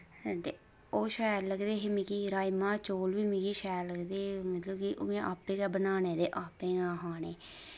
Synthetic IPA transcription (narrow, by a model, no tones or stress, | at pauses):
t̪eː | oːʃɛːɾləɡd̪eːɦeːmikiːɾaːimãːt͡ʃoːlʋiːmikiːʃɛːɾləɡd̪eːmət̪ləbkiʔo̰ːmẽʔaːpːẽːkɛːbənaːneːd̪eːʔaːpẽːɡãːɦaːneː